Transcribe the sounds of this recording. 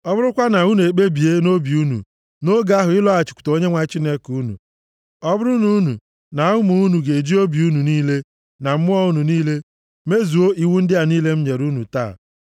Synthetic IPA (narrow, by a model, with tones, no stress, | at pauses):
ɔ˦bʊ˦ɾʊ˦kʷa˦na˨u˦n˨e˨k͡pe˦bi˨e˦no˦bi˨u˦nṵ˨ | no˦ɡa˦ɦʊ˨ɪ˦lɔ˦a˨t͡ʃɪ̥˨kʷu̥˨to˦ɲe˦ŋʷa˦t͡ʃi˦ne˦ku˦nṵ˨ | ɔ˦bʊ˦ɾʊ˦nu˦nu˨ | na˨˦ʊ˦mu˨u˦nu˨ɡe˨d͡ʒi˦o˦bi˨u˦nu˨niː˦le˦ | na˨m̩˦mʊ˦ɔ˦u˦nu˨niː˦le˦ | me˦zu˨o˦ʔi˦wu˦n̩˦dɪ˦a˨niː˦le˦m̩˦ɲe˨ɾu˦nu˨ta̰ː˦˨